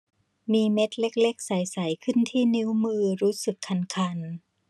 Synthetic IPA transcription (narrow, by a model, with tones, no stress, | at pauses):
miː˧me˦˥t̪̚le˦˥k̚le˦˥k̚sa˨˩˦jsa˩˦jkʰɯ˥˩nt̪ʰiː˥˩ni˦˥wmɯː˧ɾuː˦˥sɯ˨˩kʰːa˧nkʰa˧n